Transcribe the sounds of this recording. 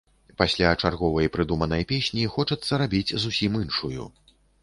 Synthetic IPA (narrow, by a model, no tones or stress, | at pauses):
pasʲlʲat͡ʂarɣɔvɐjpɾɨd̪umɐnɐjpʲesʲnʲixɔt͡ʂɐt̪sːɐɾabʲid͡zʲzusʲimɨnʂujṵ